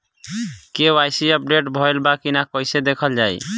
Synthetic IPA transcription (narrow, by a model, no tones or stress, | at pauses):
kewajsiəp̚ɖeʈbʱɔjlbakinakɔjsed̪ekʰəld͡ʒaj